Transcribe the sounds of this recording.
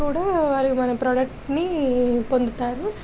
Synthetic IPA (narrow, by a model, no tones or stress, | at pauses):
uːɽaːʋaːɾimɐnɐpɾɔːɖɐk̚ʈnipo̞nd̪ut̪aːɾu